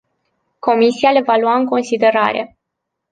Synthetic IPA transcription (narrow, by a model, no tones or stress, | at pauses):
ko̞misiale̞valwaɨŋko̞nsid̪e̞ɾa̰ɾe̞̰